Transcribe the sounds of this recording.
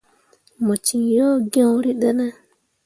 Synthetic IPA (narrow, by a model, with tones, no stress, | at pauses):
mo˨t͡ʃi˨jo˦ɡĩ˦o˦ɾi˦ɗe˦nɛ˦